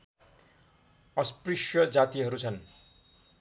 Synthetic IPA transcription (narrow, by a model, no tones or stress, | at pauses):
ʌspriʂjʌd͡zat̪iɦʌɾut͡sʰʌn